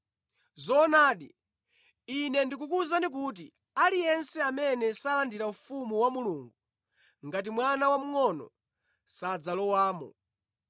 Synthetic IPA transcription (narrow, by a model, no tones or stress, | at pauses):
zɔnaːɗḭ | inɛndik̬ukuzanik̬ut̬i | alijɛnsɛamɛnɛsalandiɾaufumuwamuluːŋɡu | ŋɡat̬imwanawam̩ŋɔnɔ̰ | sad͡zalɔwaːmɔ̰